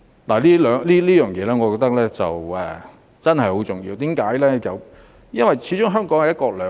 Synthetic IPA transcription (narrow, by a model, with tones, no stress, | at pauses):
laː˨˩liː˥lœː˨˧ŋliː˥liː˥jœː˨˩ŋjɛː˨˧lɛː˥ŋɔ˨˧kɔː˧t̪ɐ˥k̚lɛː˥t͡sɐ˨wɛ˨ | t͡sɐ˥nɦɐ˨jho˨˥wt͡sʊ˨˩ŋjiː˧wt̪iː˨˥mkaː˨˥jlɛː˥jɐ˨w | jɐ˥nwɐ˨˩jt͡sʰiː˨˥t͡ʃʊ˥ŋɦœː˥ŋkɔː˨˥ŋhɐ˨jɐ˥tkɔː˧lœː˨˧